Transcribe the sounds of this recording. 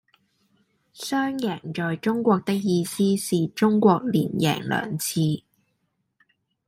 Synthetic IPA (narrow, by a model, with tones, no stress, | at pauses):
sœː˥ŋjɛː˨˩ŋt͡ʃɔː˨jt͡ʃʊ˥ŋkʷɔː˧k̚t̪ɪ˥k̚jiː˧siː˥siː˨t͡ʃʊ˥ŋkʷɔː˧k̚liː˨˩njɛ̰ː˨˩ŋlœ̰ː˨˩ŋt͡sʰiː˧